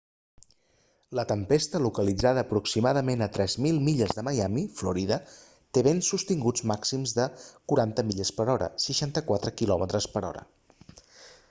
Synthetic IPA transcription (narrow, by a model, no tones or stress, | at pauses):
lət̪əmpest̪əlukəlid͡zaðəːpɾuksimaðəmenət̪ɾɛzmilˠmiʎəzðəməjamifluɾiðə | t̪eβensust̪iŋɡud͡zmaksimzðəkuɾant̪əmiʎəspəɾɔɾə̰səʃant̪əkwat̪ɾəkilɔmət̪ɾəspəɾɔ̰ɾə̰